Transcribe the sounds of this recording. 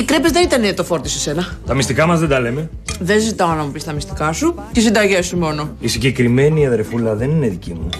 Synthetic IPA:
ikɾepezðenit̪ɐnet̪o̞fo̞ɾt̪isesenɐt̪ɐmist̪ikɐmɐzðed̪ɐle̞me̞ðenzit̪ɐoɐnɐmupist̪ɐmist̪i̥kɐsu | cesind̪ɐʝesumo̞no̞isiɟe̞kɾime̞niɐðeɾfulɐðe̞nine̞ðicimu

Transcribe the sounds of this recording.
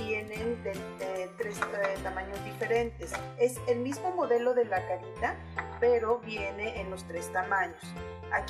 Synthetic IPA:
je̞nend̪e | et̪ɾeset̪amãɲo̞zd̪ife̞ɾe̞nt̪e̞se̞se̞lmizmo̞mo̞ðe̞lo̞ðe̞lakaɾit̪a | pe̞ɾo̞βje̞ne̞ʔːnlo̞st̪ɾe̞st̪amãɲo̞s | ak

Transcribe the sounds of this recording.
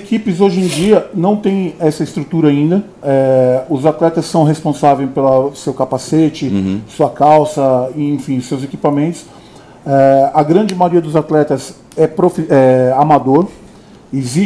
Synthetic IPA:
ekipɪzoʒẽd͡ʒiɐnɐ̃w̃t̪ẽj̃ɛsɐɪst̪ɾut̪uɾɐaĩnd̪ɐ | ɛʊzat̪lɛt̪ɐsːɐ̃w̃ɦespõsavẽjpelɐsewkapaset͡ʃɪsuɐkawsɐɪẽfĩʊsewzekipamẽnt̪ʊ̥s | ɛɐɡɾɐ̃d͡ʒɪmajoɾiɐd̪ʊzat̪lɛt̪ɐs | ɛpɾofiɛamad̪oɾ | ezi

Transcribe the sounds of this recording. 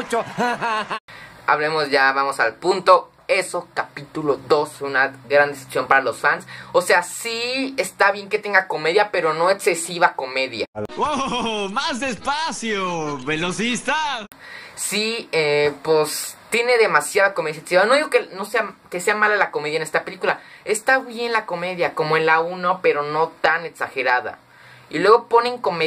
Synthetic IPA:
t͡ʃo | a̰βlemo̞zʝaβamo̞sa̰lpunt̪o̞ | e̞so̞kapit̪ulo̞ðo̞sunaɡɾand̪ese̥sjo̞mpaɾalosfansose̞asiest̪aβje̞ŋke̞t̪e̞ŋɡako̞meðjape̞ɾo̞no̞e̞kse̞siβako̞me̞ðja̰omazd̪espasjoβelosist̪a | siepest̪je̞ne̞ðe̞masjaðakomeðjaeksiβanoiɣokeno̞seakese̞amalalakomeðjene̞st̪ape̞likulae̞st̪aβje̞nlako̞me̞ðjako̞moenlaunope̞ɾo̞no̞t̪ane̞ksaxe̞ɾaða̰ | ilwe̞ɣo̞po̞ne̞ŋko̞me

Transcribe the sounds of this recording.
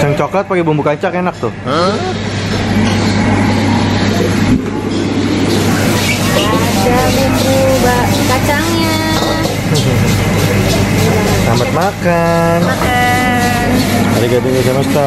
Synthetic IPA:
t͡ʃaŋt͡ʃoklat̪̚pakibumbukaɲt͡ʃakenak̚t̪ʊ | t͡ʃabumbubakat͡ʃaŋɲa | sambat̪̚maka | n | a | n | aɾiɡabɪŋbisamast̪a

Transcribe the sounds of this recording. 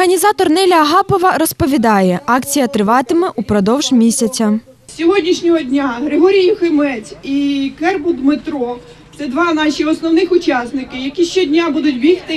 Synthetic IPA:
ɦɐnʲizɑt̪ɔrnɛlʲɐɐɦɑpɔʋɐɾɔspɔʋʲid̪ɑjɛʔɑkt͡sʲijɐt̪ɾɪʋɑt̪ɪmɛʔupɾɔd̪ɔwʒmʲisʲɐt͡sʲɐ | sʲɔɦɔdʲnʲiʃnʲɔɦɔdʲnʲaɦɾeɦɔɾʲijʊxɪmɛt͡sʲikɛrbʊd̪mɪt̪ɾɔ | t̪sɛd̪ʋɑnɑʃʲiɔsnɔwnɪxʊt͡ʃɑsnɪkɪjɐkʲiʃt͡ʃɔdʲnʲabud̪ʊt̚ʲbʲixt̪ɪ

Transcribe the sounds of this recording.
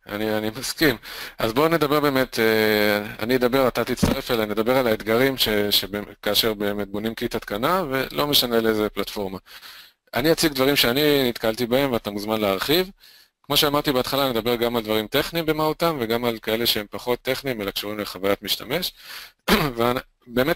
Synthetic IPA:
a̰nianimaskimazbo̞ned̪abe̞ʁbe̞ːmet̪ʰea̰nied̪abe̞ʁat̪at̪it͡st̪aʁe̞felened̪abe̞ʁalaet̪ɡaʁimʃeʃebekaːʃe̞ʁbe̞ːme̞t̪̚bo̞nimkit̪at̪kanave̞lo̞me̞ʃane̞leezeplatfo̞ʁma | ʔaniat͡siɡd̪vaʁimʃeaninit̪kalt̪ibae̞mveat̪amuzmanleaʁχiv | kmo̞ʃeamaʁt̪ibeat̪χalaned̪abe̞ʁɡamald̪vaʁimte̞χnimbe̞maut̪amveɡamalkae̞le̞ʃeempaχo̞t̪ːe̞χnimelakʃoimleχavajatmiʃtame̞ʃ | vean | be̞ːmet

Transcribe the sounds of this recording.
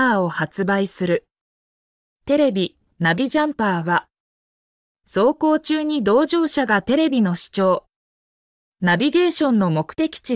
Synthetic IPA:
aːo̞hat͡sɨbaisɨɾɯ̟ | t̪e̞ɾe̞bʲi | nabʲiʑãmpaːβa | so̞ːko̞ːt͡ɕɨːɲ̟id̪o̞ːʑo̞ːɕaɡat̪e̞ɾe̞bʲino̞ɕi̥t͡ɕo̞ː | nabʲiɡe̞ːɕõ̞nːo̞mo̞kɯ̟̥t̪e̞kʲi̥t͡ɕi

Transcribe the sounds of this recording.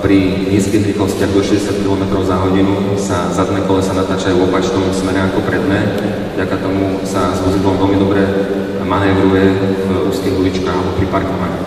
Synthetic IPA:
pɾi | ɲiːskimd̪ɾixlɔscɪaɡd̪ɔʃɛzɟɛsɪat̪̚kilɔmɛt̪ɾɔʊzaɦɔɟinusazad̪nɛkɔlɛsanat̪aːt͡ʃajuɔpat͡ʃnɔmsmɛɾɛakɔpɾɛd̪mɛ | vɟakat̪ɔmu | sazbuzid̪lɔmʋɛlmid̪ɔbɾɛ | manɛʋɾujɛvɾuːskiɦluit͡ʃkaːɣalɛbɔpɾipaɾkɔʋa

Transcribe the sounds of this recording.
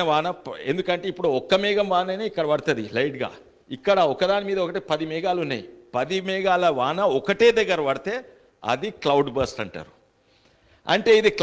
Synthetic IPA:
ɐʋaːnɐe̞nd̪ukɐɳʈeːipːuɽuɔkːɐmɛːɡɐmʋaːnɐnɐːikːɐɽɐʋɐɽt̪ɐd̪ilɐjʈɡa̰ː | ikːɐɽɐɔkːɐd̪aːnimiːd̪ɐɔkɐʈeːpɐd̪imɛːɡaːlunːa̰ːjipɐd̪imɛːɡaːlɐʋaːnɐɔkɐʈeːd̪ɐɡːɐɾɐʋɐɽit̪e̞ː | ɐ̰d̪iklɐwɖbɐːsʈɐɳʈa̰ːɾu | ɐ̰ɳʈe̞ːid̪ik

